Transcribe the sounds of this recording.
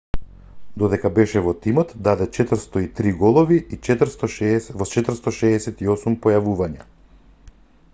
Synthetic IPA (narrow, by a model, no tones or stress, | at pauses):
d̪ɔd̪ɛkabɛʃɛvɔt̪imɔt̪d̪ad̪ɛt͡ʃɛt̪ɾ̩st̪ɔit̪ɾiɡɔlˠɔviit͡ʃɛt̪r̩st̪ɔʃɛsvɔt͡ʃɛt̪ɾ̩st̪ɔʃɛːsɛt̪iɔsumpɔjavuvaɲa̰